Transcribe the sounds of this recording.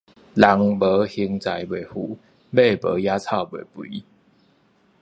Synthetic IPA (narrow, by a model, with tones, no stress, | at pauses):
la˨˦ŋbə˨˦hi˧˦ŋt͡sa˨˧jbwe˨˩hu˨˩˦ | be˥˧pə̰˨˧˦ja˦t͡sʰa˥˧˨ʊbwe˨˩pu˨i˦